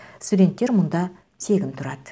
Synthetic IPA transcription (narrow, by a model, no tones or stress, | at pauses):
st̪ud̪e̞nt̪ːe̞ɾmʊnd̪ɑ | se̞ɡʲɪnt̪ʰʊɾɑd̪ə